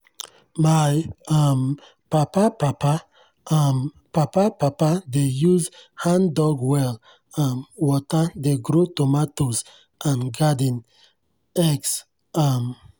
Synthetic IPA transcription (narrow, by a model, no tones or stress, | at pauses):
majam | papapapa | am | papapapadejuzhãndɔɡwɛl | ãnwɔtadeɡɾotomatos | ʔãnɡadĩn | ɛks | am